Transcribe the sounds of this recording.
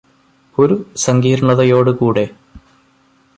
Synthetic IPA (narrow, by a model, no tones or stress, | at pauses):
o̞ɾusɐŋɡiːɾɐɳɐðɐjo̞ːɽɨkuːɽe̞